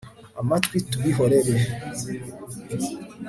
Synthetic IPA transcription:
amatwitːubiɦɔɾɛvɛ

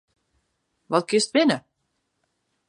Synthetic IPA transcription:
vɔt̚kɪstvɪnə

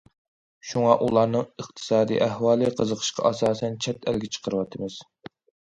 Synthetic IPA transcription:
ʃuŋɑʔulˠɑɾnɨŋəqt̪ʰɨ̥sɑːd̪ḭːʔæhwɑːlˠɨqʰəzəqʰə̥ʃqʰɑ̰ʔɑsɑːsɛnt͡ʃʰɛt̪ʰælɡʲɛt͡ʃʰə̥qʰəɾɨwɑt̪ʰɨmɨz̥

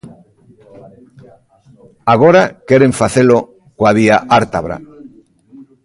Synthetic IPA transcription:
aɣ̞oɾakeɾeɱfaθelo | koaβiaʔaɾt̪aβɾa̰

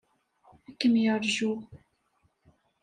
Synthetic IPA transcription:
ækːəmjəɾʒu

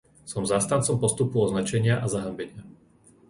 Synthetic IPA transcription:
sɔmzaːst̪ant̪t͡sɔmpɔst̪upuɔznat͡ʃɛɲɪaʔazaɦambɛɲɪa

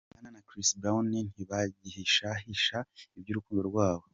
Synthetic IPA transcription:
ananakɾisbɾawnin̥hiβaɟiheʃaɦiʃaibɟuːɾukuːndo̞ɾɡwaːβo̞

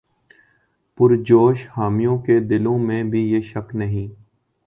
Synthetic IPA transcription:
pʊɾd͡ʒoːʃhaːmijõked̪ɪlõmẽbʱijeːʃɐknɐɦĩː

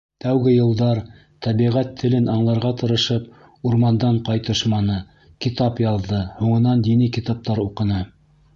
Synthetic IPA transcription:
t̪æwɡɘjɤ̆lˠd̪ɑɾ | t̪æβiʁæt̪ʰːɘ̆lɘnɑɴlˠɑɾʁɑt̪ɤ̆ɾɤ̆ʃɤp̚ | uɾmɑnd̪ɑɴqɑjt̪ɤʃmɑnɤ | kit̪ɑpjɑðːɤhuɴɤ̆nɑnd̪inɘkit̪ɑp̚t̪ɑɾuqɤ̆nɤ

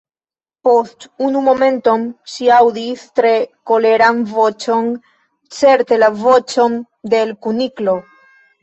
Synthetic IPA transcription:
po̞st̪unumo̞mẽ̞nt̪o̞mʃiawd̪ist̪ɾe̞ko̞le̞ɾanvo̞t͡ʃo̞n | t͡se̞ɾt̪e̞lavo̞t͡ʃo̞n | d̪e̞lkuniklo̞

